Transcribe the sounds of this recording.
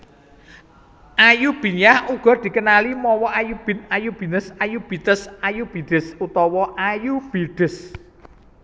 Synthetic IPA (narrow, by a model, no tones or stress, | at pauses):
ʔajub̥i̤nahuɡ̥ɔ̤d̪̥i̤kənalimɔwɔajub̥ɪ̤najub̥i̤nəsajub̥i̤t̪əsajub̥i̤ɖ̪̥ə̤sut̪ɔwɔʔajub̥iɖ̪̥ə̤s